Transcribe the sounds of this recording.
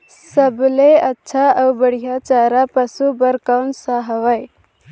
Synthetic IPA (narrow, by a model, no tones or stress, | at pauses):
səbleətːʃʰaəwbəɽ̤ijat͡ʃaɾapəsubəɾkawnsaɦəʋaj